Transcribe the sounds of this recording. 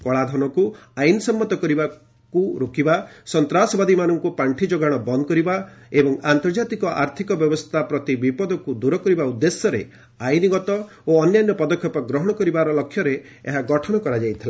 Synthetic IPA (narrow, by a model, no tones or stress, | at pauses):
kɔɭad̪ʱɔnɔkuajnsɔmːɔt̪ɔkɔɾiba | kuɾokibasɔnt̪ɾasɔbad̪imanɔŋkupaɳʈʰid͡ʒoɡaɽ̃ɔbɔnd̪ɔkɔɾibaebɔŋant̪ɔɾd͡ʒat̪ikɔʔa̰ɾt̪ʰikɔbjɔbɔst̪ʰapɾɔt̪ibipɔd̪ɔkud̪uɾɔkɔɾibaud̪ːesjɔɾe | ajniɡɔt̪ɔ | oɔnjanjɔpɔd̪ɔkʰjɔpɔɡɾɔɦɔɽ̃ɔkɔɾibaɾɔlɔkʰːjɔɾe | ḛɦaɡɔʈʰɔɽ̃ɔkɔɾad͡ʒajt̪ʰila